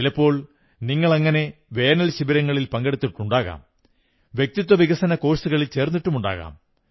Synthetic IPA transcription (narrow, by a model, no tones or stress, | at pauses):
ilɐpːo̞ːɭ | niŋːɐɭɐŋːɐne̞ʋe̞ːnɐlɕibɐɾɐŋːɐɭilpɐŋɡe̞ɽut̪ːiʈːuɳɖaːɣa̰ːm | ʋjek̚t̪it̪ːwɐʋiɣɐsɐnɐko̞ːʂsuɣɐɭilt͡ɕe̞ːrnːiʈːumuɳɖa̰ːɣa̰ːm